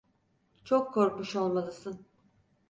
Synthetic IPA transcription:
t͡ʃʰokʰːoɾkmuʃo̞lˠmalˠɯsɯn

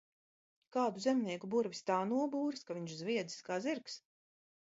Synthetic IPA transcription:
kaːd̪uzɛmniɛkubuɾvʲist̪aːnuɔbuːɾskaviɲʃzvʲiɛd̪zi̥skaːziɾks

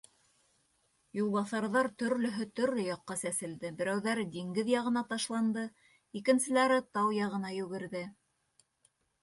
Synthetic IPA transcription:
julˠβɑθɑɾðɑɾt̪ɵ̆ɾlɵ̆ɦɵt̪ɵ̆ɾlɵjɑqːɑsæsɘ̆ld̪ɘbɘ̆ɾæwðæɾd̪iŋɡɘðjɑʁɤ̆nɑt̪ɑʃlˠɑnd̪ɤ | ikɘ̆nsɘ̆læɾɘt̪ɑwjɑʁɤ̆nɑjʉ̆ɡɘ̆ɾðɘ

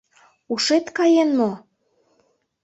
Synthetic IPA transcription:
uʃet̪kɑjenːo

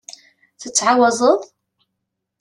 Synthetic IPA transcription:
θət͡sːʕawɑzˤəðˤ

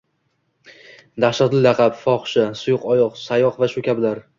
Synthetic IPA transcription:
d̪aχʃaɾt̪ɪlaqʰɑpfɒχʃɪsʊjʊqɒjɒqsajɒqvaʃʊkʲʰabɪlaɾ

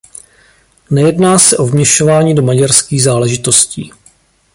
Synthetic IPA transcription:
nɛjɛdnaːsɛʔo̞vmɲɛʃo̞vaːɲiːdo̞maɟaɾskiːɣzaːlɛʒɪt̪o̞scḭː

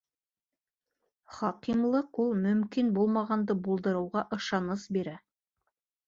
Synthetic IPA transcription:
χɑqimlˠɤqulˠmɵ̆mkinbulˠmɑʁɑnd̪ɤbulˠd̪ɤ̆ɾɤ̆wʁɑʔɤ̆ʃɑnɤsbiɾæ

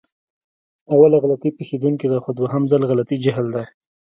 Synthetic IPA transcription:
awalaɣalat̪ipixed̪uŋkid̪axod̪waɦamzalɣalat̪id͡ʒaɦld̪aj

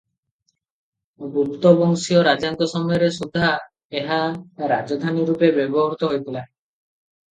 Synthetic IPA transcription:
bɾut̪ːɔbɔŋsioɾad͡ʒaŋt̪ɔsɔmɔjɔɾesud̪ʱːa | eɦaɾad͡ʒɔd̪ʱaniɾupebebɔɦɔɾut̪ɔɦojt̪ilae

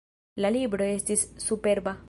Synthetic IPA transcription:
lɐlibɽoest̪issupeɾba

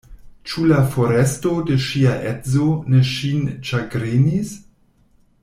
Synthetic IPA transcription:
t͡ʃulafo̞ɾestode̞ʃiaʔetzoneʃinʃaɡɾenis

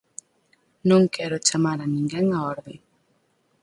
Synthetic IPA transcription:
noŋkʰɛɾɔt͡ʃamaɾaniŋɡɛŋaɔɾbɛ

